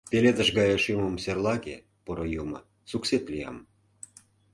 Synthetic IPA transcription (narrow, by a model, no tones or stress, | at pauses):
peled̪ə̆ʃɡɑjɑʃiməmserlˠɑɣḛ | poɾojumɤ̰ | sukset̪lijɑ̰m